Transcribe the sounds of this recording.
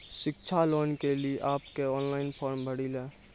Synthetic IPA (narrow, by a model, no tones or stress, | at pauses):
sɪkt͡ʃʰaloːnkeliʔaːpkeɔːnlaːɪnpʰoːɾmbʱəɽileː